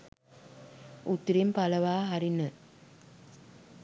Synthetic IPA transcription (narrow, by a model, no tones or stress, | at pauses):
ut̪ɾimpaləʋaːɦaɾinə